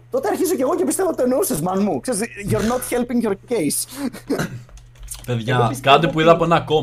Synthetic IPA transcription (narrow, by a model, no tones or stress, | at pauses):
t̪o̞t̪eɐɾçizoce̞ɣo̞cepist̪evot̪t̪oenousezmɐnmukse̞ɾizʝoɾnot̪çelpiŋɡjoɾcejs | peðʝɐkɐt̪ipuiðɐpoenɐko